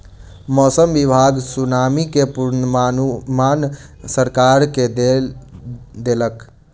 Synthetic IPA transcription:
mɔsəmbibʱaɡsunamikepuɾnəmanman | səɾkaɾked̪e | d̪elək

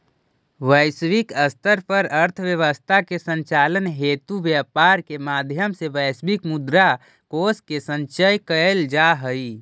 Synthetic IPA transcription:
ʋəɪsʋɪkəst̪ʰəɾpəɾəɾt̪ʰʋjəʋəst̪ʰakesə̃ɲt͡ʃaːlənɦeːt̪uʋjəpaːɾkemaːd̪ʱjəmseʋəɪsʋɪkmʊd̪ɾa | koːskesə̃ɲt͡ʃəjkəəld͡ʒaɦəi

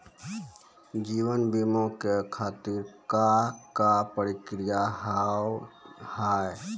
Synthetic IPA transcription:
d͡ʒiːwənbimõkekʰaːt̪iɾkakapəɾɪkɾijaɦawhaː

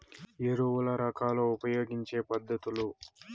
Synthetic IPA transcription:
eɾuʋulɐɾɐkaːloːupɐjo̞ːɡiɲt͡ʃe̞ːpɐd̪ːɐt̪ulu

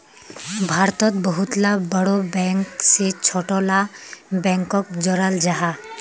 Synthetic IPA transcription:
bʱaːɾt̪ɔt̪̚bəɦʊt̪labəɽobɛ̃ŋkset͡ʃʰoːʈoːlabɛ̃ːŋkɔk̚d͡ʒɔɾald͡ʒaɦa

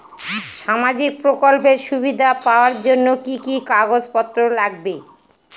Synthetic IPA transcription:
ʃamad͡ʑik̚pɾokolpeɾʃubid̪ʱapaoaɾd͡ʑonːokikikaɡod͡ʑpɔt̪ːɾolaɡ̚be

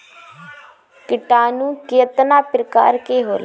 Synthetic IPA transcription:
kɪʈaːnũːkeːt̪naːpɾəka̰ːɾkeːɦoːla

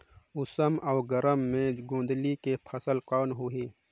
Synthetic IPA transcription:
ʊsəmɔːɡəɾəmːẽɡõːnd̪likepʰɐsəlkaːnɦʊiː

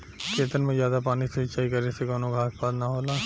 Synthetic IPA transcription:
keːt̪ənmẽzjaːd̪apaːnisɐit͡ʃaːikɐɾeseɡɔːnoɡʱaːspaːd̪naɦoːlaː

